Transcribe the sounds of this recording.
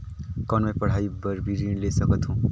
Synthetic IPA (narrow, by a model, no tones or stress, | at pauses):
kʌnmajpʌɽ̤aibʌɾbiɾinlesʌkʌt̪ʰũ